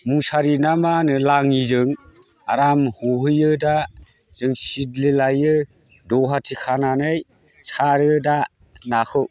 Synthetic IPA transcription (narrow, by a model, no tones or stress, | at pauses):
musaɾinamanɯlaŋizɯŋ | aɾamhuɦɯjɯda | z̥ɯŋsitlelajɯ | dɔɦatʰikʰananɯj | saɾɯda | nakʰɯw